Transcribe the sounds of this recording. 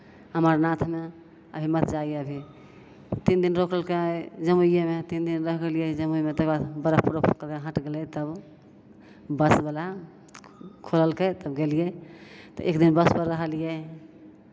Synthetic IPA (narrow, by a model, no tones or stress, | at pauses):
ɦəməɾnat̪ʰme | ə̰bʱimət̪d͡ʒaieəbʱi | t̪ind̪inɾokʰəlked͡ʒəmujjemet̪ind̪inɾəɦɡelijɛd͡ʒəmuimet̪əbat̪bəɾəpuɾəpkəeɦə̃ʈɡelɛt̪əb | bəsbela | kʰoləlket̪əbɡelijɛt̪ɔ̰ʔekd̪inbəspəɾːəɦəlijɛ